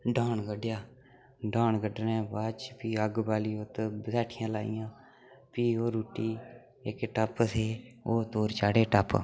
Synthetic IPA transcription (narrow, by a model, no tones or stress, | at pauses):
ɖʱaːnɡəɖjaː | ɖaːɳɡəɖnɛ̃ːbaːt͡ʃpiːəɡbaːliːot̪bsɛːʈʰɪjãːlaːḭjãː | piːoːɾuːʈːiː | ɪkʈəpsʰeːoːt̪oːɾt͡ʃaːɽeːʈəp